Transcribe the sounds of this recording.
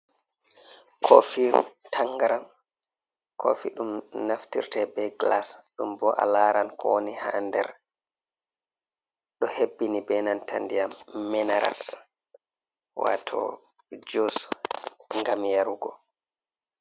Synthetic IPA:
kʰofḭtʰaŋɡaɾam | kʰofiɗumnaftiɾtɛbɛɡlasɗumbɔʔa̰laːɾankʰɔwoniha̰ndɛ̰ɾ | ɗɔhebːinibɛnantandijamːɛnaɾa̰s | wa̰tʰɔ̰ | d͡ʒos | ŋɡamjaɾuɡɔ

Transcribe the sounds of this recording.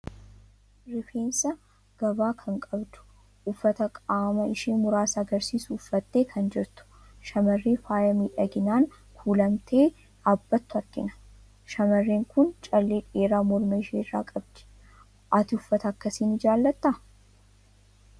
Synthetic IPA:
ɾɪfeːnsɐ | ɡ̥ɐbaːkʰɐŋkʼɐbd̪ʊ̥ | ʊfːɐt̪ɐkʼaːmɐɪʃeːmʊɾaːsɐɡɐɾsiːsʊːfːɐt̪ːeːkʰɐnd͡ʒɪɾt̪ʊ̥ | ʃɐmɐrːeːfaːjɐmiːᶑɐɡɪnaːn | kuːlɐmt̪ʰe̞ː | aːbːɐt̪ːʊɐkːɪ̰nɐ̥ | ʃɐmɐrːeːŋkʊnt͡ʃʼɐlːeːᶑeːɾaːmɔɾmɐɪʃeːɪrːa̰ːkʼɐbd̪̥ɪ̥ | ʔɐt̪ɪʊfːɐt̪ɐːkːɐsiːnɪd͡ʒaːlːɐt̪ːɐ

